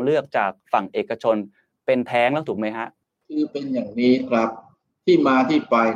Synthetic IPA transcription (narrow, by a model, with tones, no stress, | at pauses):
ŋlɯ˥˩ək̚t͡ɕaː˨˩k̚fa˨˩ŋʔeː˨˩kːa˧t͡ɕʰo˧n | pe˧nt̪ʰɛː˦˥ŋla˦˥t̪ʰu˨˩k̚ma˦˥jkʰa˦˥ʔ | kʰɯː˧pe˧njaː˨˩ŋniː˦˥kʰɾa˦˥p̚ | t̪ʰiː˥˩maː˧t̪ʰiː˥˩pa˧j